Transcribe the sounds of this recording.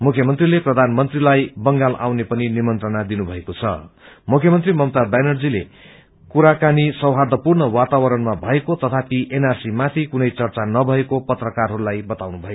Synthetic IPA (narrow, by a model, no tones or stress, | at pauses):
mukʰjʌmʌnt̪rileprʌd̪ʱanmʌnt̪rilajbʌŋɡalʔa̰wnepʌninimʌnt̪rʌnad̪inubʱʌekot͡sʰʌ̰mukʰjʌmʌnt̪rimʌmt̪abajnʌrd͡zile | kuɾakanisʌwɦad̪ʱʌpurnʌwat̪awʌɾʌnmabʱʌekot̪ʌt̪ʰapiʔenarsimat̪ʰikunʌjt͡sʌrt͡sanʌbʱʌekopʌt̪rʌkarɦʌɾulajbʌt̪awnubʱʌjo